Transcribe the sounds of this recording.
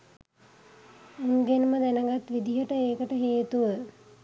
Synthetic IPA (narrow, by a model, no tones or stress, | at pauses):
unɡenməd̪ænəɡat̪ʋid̪iɦəʈəeːkəʈəɦeːt̪uʋə